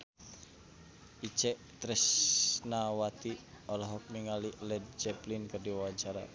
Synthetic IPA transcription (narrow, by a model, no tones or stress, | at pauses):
it͡ʃɛʔ | t̪ɾɛsnawat̪i | ɔlɔɦɔk̚miŋaliʔlɛd̚d͡ʒɛplinkɨrdiwawat͡ʃaɾa̰